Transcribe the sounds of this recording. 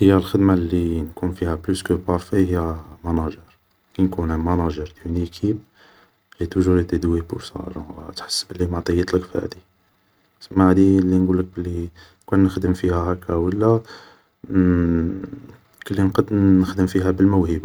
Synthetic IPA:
həjːælxəd̪malːinkunfihæpluskəbɑɾˤfehəjːæmonɑʒəɾ | kinkunmunɑʒəɾd̪junikʰib̚ | lit̪uʒuɾit̪ed̪wibṵsɑ̰ʒɑt̪ħə̥sːbəlːimɑʕt̪ˤəjːət̪ləkfihæ̰d̪i | səmːaʕd̪ilːinɡulːək̚əlːi | kunːəxd̪əmfihæhækæwəlːæ | kəlːinqɑd̪nəxd̪əmfiɦæbəlmæwhəb

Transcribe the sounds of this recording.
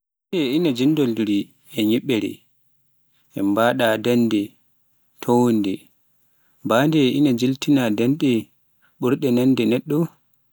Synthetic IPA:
bbandɛinad͡ʒindɔlduɾi | ɛɲiɓːɛɾɛ̰ | ɛmbaːɗadandɛ | tʰowndɛ | bandɛʔinad͡ʒiltinadanɗɛ | ɓuɾɗɛnandɛnɛɗːɔ

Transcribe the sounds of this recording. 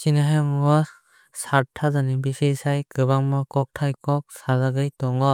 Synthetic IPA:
sinaɦeŋɔ | saɾtʰazanibisisajkɯβaŋmɔkɔk̚tʰajkɔk̚sazaɡɯjtɔŋɔ

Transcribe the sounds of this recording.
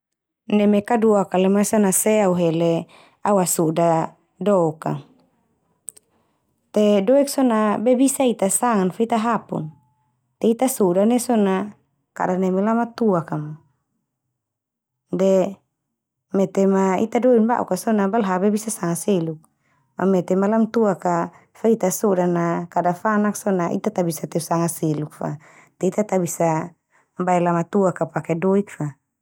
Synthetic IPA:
nɛmekaduakalɛmasɔnaseauɦɛle | awasuʔda | dɔka̰ | t̪ɛdoɛksɔnabɛbisait̪asaŋanfait̪aɦapṵn | t̪ɛit̪asudanɛsɔna | ka̰danɛmɛlamat̪uakama | dɛ | mɛt̪emait̪adoinba̰ʔṵkasɔnabalɦabebisasaŋaseluk̚ | ma̰mɛt̪emalamt̪uaka | fait̪asodanakadafanaksɔnaʔḭt̪at̪abisat̪ɛusaŋaseluk̚fa̰ | t̪eit̪at̪abisa | baɛlamat̪uakapakɛdoit̪̚fa

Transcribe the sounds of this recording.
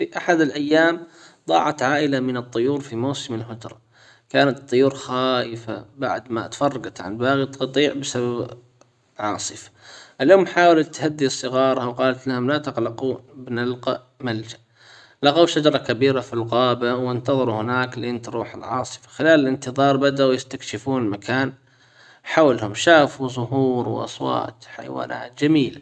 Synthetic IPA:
fiʔaħad̪ɪlʔajːaːm | d̪ˤɑ̰ːʕɑt̪ʕaːʔɪlamɪnɨt̪ˤːʊjuːɾfimawsɪmɪlɦʊd͡ʒɾˤɑ | kaːnat̪t̪ˤːʊjuːɾxaːjɪfa̰ba̰ʕd̪ma̰t̪fɑrˤːɑɡat̪ʕa̰nbaːɣit̪qɑt̪ˤiːʕbɪsabab | ʕɑ̰ːsˤɨfḁʔɪljoːmħaːwalat̪ːhad̪ːisˤːɨɣɑːɾˤɑwqɑːlat̪lahʊmlat̪ɪɣlɑqubɪnɪlqa̰ʔmald͡ʒa | laɣawʃad͡ʒɑɾˤɑkabiːɾafilɣɑːbawɪnt̪ɑðˤɨɾuhɪnaːklʔɪnt̪ɾˤuːħɪ̰lʕɑ̰ːsˤɨ̥fḁxɪlaːlɪlɪnt̪ɨðˤɑːɾˤbad̪awjɪst̪akʃɪfuːnmakʰaːn | ħawlhʊmʃaːfuzˤʊɦuːɾwʔɑ̰sˤwɑ̰ːt̪ħa̰jwa̰ːna̰ːt̪̚d͡ʒamiːla

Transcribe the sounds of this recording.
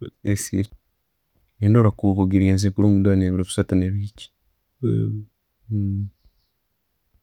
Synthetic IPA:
esḭ | endoɾakukoɡiɾienzekuɾuːmudaneβiɾiβusataneβiːci̥̰

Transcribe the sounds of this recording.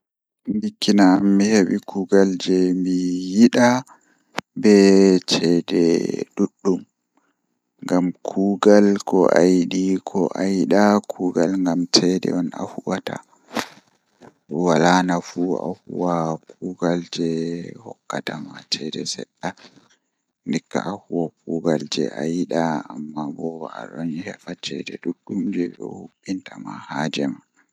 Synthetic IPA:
ndikːinamːiheɓikʰuɡald͡ʒɛmijiɗa | bɛt͡ʃɛdɛ̰ɗuɗːum | ŋɡamkʰuːɡalkɔʔajɗikʰɔʔajɗakʰuɡalŋɡamtʰɛdɛ̰ɔna̰huwata̰ | walanafua̰huwakʰuɡald͡ʒɛhɔkːatamat͡ʃʰɛdɛsɛɗːa | ndikːa̰ʔahuwak̚uɡald͡ʒɛ̰ʔajiɗaamːabɔa̰ɗɔnhɛfat͡ʃɛdɛɗuɗumd͡ʒɛɗɔhuɓːintamahad͡ʒɛma

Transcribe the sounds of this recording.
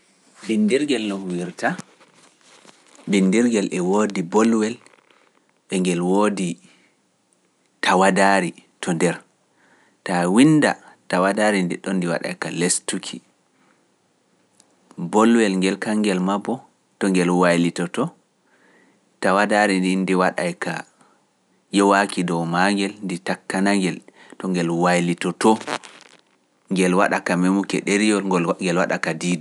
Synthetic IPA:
bindiɾɡɛlnɔwiɾta | bindiɾɡɛlɛwoːdibɔlwɛl | ɓɛŋɡɛlwodi | tʰawadaːɾitʰɔndɛɾ | tawinda̰ | tawadaːɾindɛ̰ɗɔndiwa̰ɗa̰kalestukʰi | bɔlwɛlŋɡɛlkaŋɡɛlmabɔ | tɔŋɡɛlwajlitɔtɔ | tawadaɾindindiwaɗa̰jka̰ | jɔwakidɔwmaŋɡɛlnditakːanaŋɡɛl | tɔŋɡɛlwajlitɔtɔ | ŋɡɛlwa̰ɗakamemukɛ̰ɗeɾijɔlɡɛlwaɗakadidɔ

